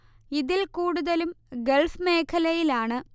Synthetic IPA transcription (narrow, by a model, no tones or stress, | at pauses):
iðilkuːɽuðɐlumɡelfmeːkʰɐlɐjilaːɳɨ